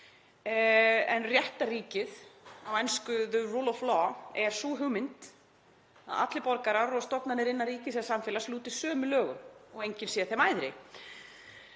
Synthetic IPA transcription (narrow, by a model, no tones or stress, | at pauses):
ɛnrjɛht̪ariːcɪðawɛnskʏðʏrulɔflɔɛɾ̥suːɦʏɣmɪnt̪ | a̰ða̰t̪lɪpɔɾkaɾaɾɔɣst̪ɔpnanɪɾɪnːariːcɪsɛsamfɛlasluːt̪ɪ̥sœːmʏlœːɣʏmɔɣejɲcɪnsjɛθɛmaːjðɾɪ̰